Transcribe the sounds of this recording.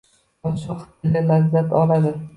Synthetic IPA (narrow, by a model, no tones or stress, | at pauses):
ɒʃɒqt̪ʰɪlɪlazːat̪ʰɒlad̪ɪ